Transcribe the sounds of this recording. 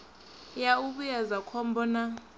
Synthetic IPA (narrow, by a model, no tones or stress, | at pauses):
jauɓujazakʰɔmbɔna